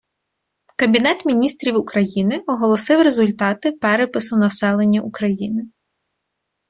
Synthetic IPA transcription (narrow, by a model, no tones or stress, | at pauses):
kɐbʲinɛt̪mʲinʲist̪ɾʲiwukɾɐjinɪɔɦɔlˠɔsɪwɾezʊlʲt̪ɑt̪ɪpɛɾepɪsʊnɐwsɛlˠenʲːɐʔukɾɐjinɪ